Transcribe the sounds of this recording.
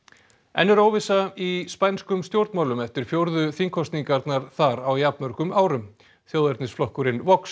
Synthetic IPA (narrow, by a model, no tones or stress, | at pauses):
ɛ̰nːʏɾowvɪsaispajnskʏmst̪jowɾt̪mawlʏmɛft̪ɪɾ̥fjowɾðʏθiŋkʰɔst̪niŋkaɾt̪naɾ̥θaɾawjapnmœɾ̥r̥kʏmaːwɾʏm | θjowðɛɾt̪nɪsflɔhkʏɾɪnvɔks